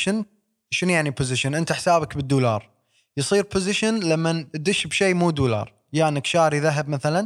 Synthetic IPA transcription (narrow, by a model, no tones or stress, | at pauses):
ʃən | ʃʊnjaʕnipʊzɪʃɪnʔɪnt̪aħsaːbakbɪd̪ːuːlɑːɾˤ | jsˤiːɾpʊzɪʃanlamːand̪ɪʃbʃeːmuːd̪uːlɑ̰ːɾˤ | jaːnɪkʃaːɾiðaɦab̚maθalan